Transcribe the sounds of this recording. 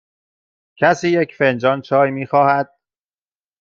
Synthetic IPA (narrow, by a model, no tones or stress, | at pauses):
cʰæsiːjecʰfend͡ʒɒːnt͡ʃʰɒːjmiːxɒːhæd̪̥̚